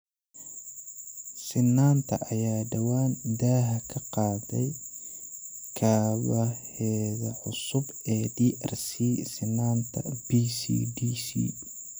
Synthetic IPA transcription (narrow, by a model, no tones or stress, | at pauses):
sɪnːaːnt̪ʰɐʔɐjaːɖɐwaːnd̪aːɦɐkʰɐqɑːðɛj | kʰaːβɐhɛːβɐʕʊsʊb | ɛːd̪iːʔɐrsiːsɪnːaːnt̪ʰɐ̰b̥isḭːd̪iːsḭː